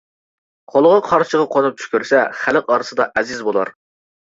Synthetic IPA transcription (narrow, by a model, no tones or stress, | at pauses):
qʰolˠəʁɑqʰɑɾʃəʁɑqʰonup̚t͡ʃʰy̥kʲyɾsɛχæləqɑɾɨsɨd̪ɑʔɛzɪzbolˠɑ̰ɾ